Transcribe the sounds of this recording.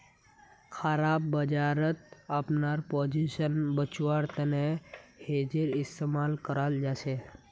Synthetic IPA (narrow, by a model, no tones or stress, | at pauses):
kʰaɾabːəd͡ʒaɾət̪apnaɾpod͡ʒiʃənbət͡ʃʋaɾt̪ənehed͡ʒeɾɪst̪emalkəɾald͡ʒase